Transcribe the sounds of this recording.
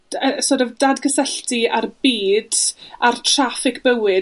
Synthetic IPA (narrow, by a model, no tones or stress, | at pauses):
əsɔdəvdadkʰəsɛɬtʰiarbiːdartʰr̥afɪkʰb̥əwɪ